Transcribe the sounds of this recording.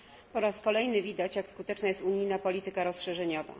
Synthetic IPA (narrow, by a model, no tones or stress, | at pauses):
pɔɾaskɔlɛjnɘvʲid̪at͡ɕjakskut̪ɛt͡ʂnajɛst̪uɲijnapɔlʲit̪ɘkaɾɔsʂɛʐɛɲɔva̰